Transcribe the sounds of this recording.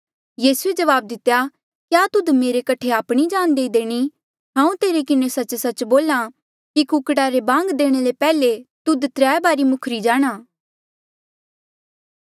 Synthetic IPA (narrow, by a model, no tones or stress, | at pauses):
jiːsued͡ʒɐʋaːb̚d̪ɪt̪ːja | kjaːt̪ʊd̪meːɾekɐʈʰeaːpɽ̃id͡ʒaːnd̪eːid̪eːɽ̃i | ɦãːũt̪eːɾekɪnesɐt͡ʃsɐt͡ʃboːla | kikʊkʈaɾebãːŋɡd̪eːɽ̃elepɛːlet̪ʊd̪t̪ɾɛːbaːɾimʊkʰɾid͡ʒaːɽ̃aː